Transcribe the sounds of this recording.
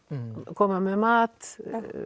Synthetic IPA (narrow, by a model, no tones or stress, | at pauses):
kʰɔmːamemɑːt̪